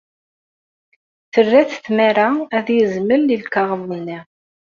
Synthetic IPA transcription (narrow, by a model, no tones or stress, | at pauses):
θərːæθθmæɾaæðjəzməlːilkɑʁəmːinːi